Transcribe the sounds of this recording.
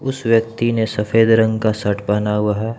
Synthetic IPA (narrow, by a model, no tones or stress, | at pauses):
ʊsʋjɐk̚t̪inesɐfeːd̪ɾə̃ŋɡkasɐʈʰbanaɦuaɦɛː